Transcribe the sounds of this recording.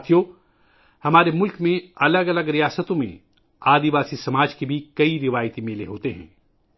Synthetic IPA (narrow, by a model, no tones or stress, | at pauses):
t̪ʰjo | hɐmaːɾemʊlkmẽɐləɡɐləɡɾijaːsət̪õmḛ̃ | aːd̪iʋaːsisɐmaːd͡ʒkebʱikɐiɾɪʋaːjt̪imeːleɦoːt̪eɦɛ̰̃ː